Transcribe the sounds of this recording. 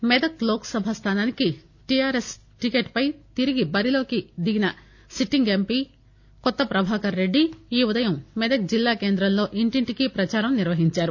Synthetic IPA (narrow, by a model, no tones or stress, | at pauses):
med̪ɐkloːkɐ̥sɐbʱast̪ʰaːnaːniki | ʈijaːɾes | ʈikeːʈpɐjt̪iɾiɡibɐɾilo̞ːkid̪iɡinɐ | siʈːiŋɡempi | kɔt̪ːɐpɾɐbʱaːkɐɾːe̞ɖːiːud̪ɐjɐmːɛd̪ɐk̚d͡ʒilːaːkeːnd̪ɾɐmlo̞ːʔiɳʈiɳʈikipɾɐt͡ʃaːɾɐmniɾʋɐɦiɲt͡ʃaːɾu